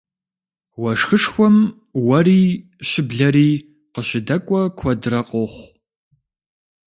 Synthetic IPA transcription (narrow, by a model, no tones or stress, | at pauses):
wɐʂxɨʂxʷɔm | wɐriː | ɕɪbɮɐɾiː | qəɕɪdɐkʷʼɔkʷʰɔdrɐqʼoχʷ